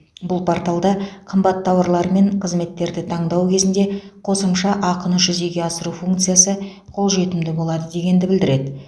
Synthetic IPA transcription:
bʊlˠpʰoɾt̪ɑlˠd̪ɑqʰəmbɑt̪ʰːɑwɑɾlˠɑɾəme̞ɴqʰəzme̞t̪ːe̞ɾd̪ɪt̪ʰɑɴd̪ɑwkʲʰe̞zɪnd̪e̞qʰo̞səmʃɑʔɑqənəʒʏze̞ɡʲe̞ɑsəɾufuŋk̚t̪sɨjasə | qʰo̞lˠʒe̞t̪ɪmd̪ɪbo̞lˠɑd̪əd̪e̞ɡʲe̞nd̪ɪbɪld̪ɪɾe̞d̪ɪ

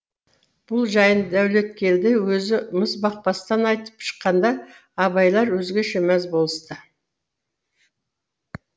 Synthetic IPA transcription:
b̥ʊlˠʒɑjənd̪æwle̞t̪̚kʲe̞ɾd̪ewɵzɪməsbɑq̚pɑst̪ɑnɑjt̪ə̥pʃə̥qːɑnd̪ɑː | βɑjlˠɑɾwɵzɡʲeʃemæzbo̞lˠəst̪ə

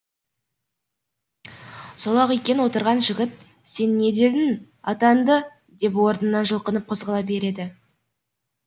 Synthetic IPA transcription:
solˠɑqejkʲe̞nəwo̞t̪əɾʁɑnʒɪɡʲɪt̪̚ | se̞nːe̞d̪e̞d̪ɪn | ɑt̪ɑnd̪ə | d̪e̞pwo̞ɾnənːɑʒəlˠqənəp̚qʰo̞zʁɑlˠɑbe̞ɾe̞d̪ɪ

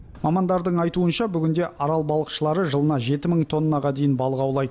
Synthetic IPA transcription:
mɑmɑnd̪ɑɾd̪əɴɑjt̪uənʃɑbʏɡʲɪnd̪e̞ʔɑɾɑlˠbɑlˠəqʃəlˠɑɾəʒəlˠənɑʒe̞t̪ɪməɴt̪ʰo̞nːɑʁɑd̪e̞jɪnbɑlˠəʁɑwlˠɑjd̪ə

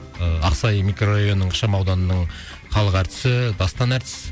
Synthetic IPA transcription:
ɑ̰qsɑjmikro̞raijo̞nəɴqʰə̥ʃɑmɑwd̪ɑnənəɴ | qʰɑlˠəqæɾt̪ɪ̥sɪd̪ɑst̪ɑnæɾt̪ɪ̥s

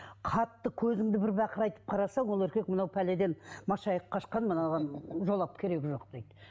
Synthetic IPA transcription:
qʰɑt̪ːəkʲʰɵzɪŋd̪ɪbɪɾbæqəɾɑjt̪ə̥p̚qʰɑɾɑsɑɴwolˠɵɾkʲe̞k̚mənɑwpʰæle̞d̪e̞nmɑʃɑjəqqʰːɑʃqɑnmənɑʁɑnʒo̞lˠɑpkʲʰe̞ɾe̞kʲɪʒo̞qd̪̥e̞jd̪

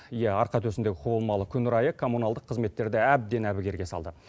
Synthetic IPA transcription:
ijæɑɾqɑt̪ʰɵsɪnd̪e̞ɡʲɪqʰubəlˠmɑlˠəkʲʰʏnɪɾɑjəkʰo̞mːunɑlˠd̪əqʰːəzme̞t̪ːe̞ɾd̪ɪæb̚d̪e̞næbɪɡʲe̞ɾɡʲe̞sɑlˠd̪ə

